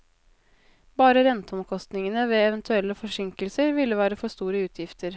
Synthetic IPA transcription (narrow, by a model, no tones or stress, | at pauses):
bɑːɾəɾɛnt̪əɔmkʰɔst̪nɪŋənəʋeːɛʋənt̪ʰʉɛlːəfɔʂɪŋkəlsəɾʋɪlːəʋæːɾəfɔʂt̪uːɾəʉːt̪ʰjɪft̪əɾ